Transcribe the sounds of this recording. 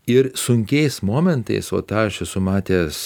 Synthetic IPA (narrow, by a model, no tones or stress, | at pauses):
ɪɾsʊŋʲkʲɛɪsmoːmʲɛnt̪ɐ̰ɪso̰ːt̪ɑːʃʲɛsʊmɑːt̪ʲes